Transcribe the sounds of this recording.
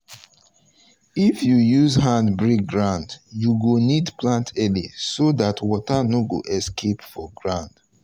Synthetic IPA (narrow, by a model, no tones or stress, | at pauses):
ifjujuzɦãndbɹik̚ɡɹãndjuɡonidplãntʰɛlisoðatʰwɔtanoɡo̰ʔɛskʰepfɔɡɹãnd̥